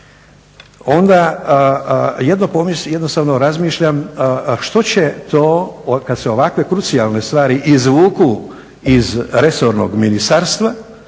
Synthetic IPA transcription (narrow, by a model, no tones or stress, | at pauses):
o̞nd̪a | je̞d̪nopomisje̞d̪nost̪aːʋno̞ɾazmiːʃʎamʃt̪o̞t͡ɕe̞t̪o̞ːkad̪seo̞ʋakʋe̞kɾut̪sijalˠne̞st̪ʋaːɾiʔizʋuːku | izɾe̞so̞ɾno̞̰ɡminist̪aɾst̪ʋa